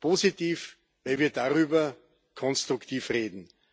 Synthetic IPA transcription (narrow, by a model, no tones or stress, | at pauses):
pʰoːzitiːf | væɪlviːɐdaʁyːbɐ | kʰɔ̃nstʁʊkt̪ʰiːfʁeːdn̩